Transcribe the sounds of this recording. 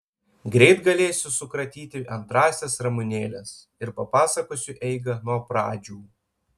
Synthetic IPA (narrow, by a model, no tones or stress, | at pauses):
ɡɾʲɛɪt̪ɡɐlʲeːsʲʊsʊkɾɐt̪ʲiːt̪ʲɪʔɐnt̪ɾɑːsʲɛsɾɐmʊnʲeːlʲɛs | ɪɾpɐpɑːsɐkoːsʲʊʔɛɪɡɐnuɔpɾɑːd͡ʒʲuː